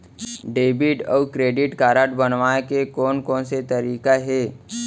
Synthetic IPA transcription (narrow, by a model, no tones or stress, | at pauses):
ɖeːbɪʈɔ̰ːkɾeːɖɪʈkaːɾaʈbənʋaːekekɔːnkɔ̃ːnset̪əɾiːkaɦɛː